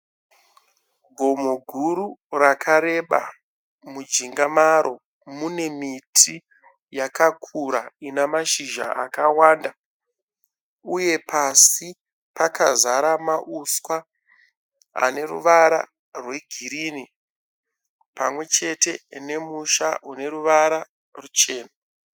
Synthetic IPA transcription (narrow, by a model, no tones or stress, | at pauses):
ɡʱo̞moɡʱuɾurakʰaɾe̞ɓa̰ | mud͡ʒiŋɡamaɾo̞ | mune̞mitʰi | jakakʰuɾainamaʃiʒa̰a̰kawaːnda | uje̞pasi | pakazaɾamaʔuswa | a̰ne̞rṵʋaɾa̰ | rwe̞ɡʱiɾiːni | pamwe̞t͡ʃe̞te̞ne̞muʃaune̞ɾuʋaɾa | rut͡ʃe̞ːna